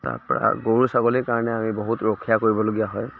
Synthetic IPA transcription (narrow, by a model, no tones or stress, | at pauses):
ta̰ɹpɔ̰ɹa̰ɡoɹusaɡolikaɹɔnɛamiboɦutɹokʰːijakoɹibɔloɡijaɦɔj